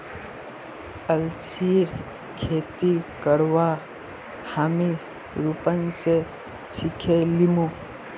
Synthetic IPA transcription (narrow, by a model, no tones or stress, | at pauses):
əlt͡ʃiːɾ | kʰeːt̪ikəɽwa | haːmi | ɾupənse | sɪkʰelimo